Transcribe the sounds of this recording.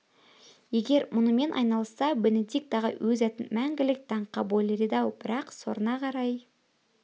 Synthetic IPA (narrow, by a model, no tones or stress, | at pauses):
je̞ɡʲe̞ɾmʊnəme̞nʔɑ̰jnɑlˠəsːɑbened̪ik̚t̪ɑʁə̰wɵzæt̪ɪnmæŋɡʲɪlɪk̚t̪ʰɑɴqɑbolʲeɾid̪ɑwb̥ɪɾɑqso̞̰ɾənɑqʰɑɾɑj